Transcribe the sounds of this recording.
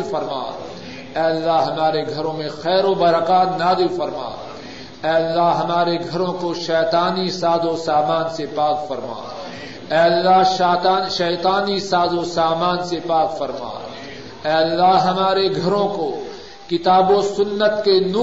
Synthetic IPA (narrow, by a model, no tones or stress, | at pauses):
fɐɾma̰ː | ɛːəlːaɦɦɐmaːɾeɡʱɐɾõmẽxɛːɾobɐɾəkaːt̪naːd̪ɪlfɐɾma̰ː | ɛːlːaɦɦɐmaːɾeɡʱɐɾõkoʃɛːt̪aːnisaːd̪osaːmaːnsepaːkfɐɾma̰ː | ɛːlːaɦʃaːt̪aːnʃɛːt̪aːnisaːd̪osaːmaːnsepaːkfɐɾma̰ː | ɛːlːaɦɦɐmaːɾeɡʱɐɾõko | kɪt̪aːbosʊnːət̪kenuː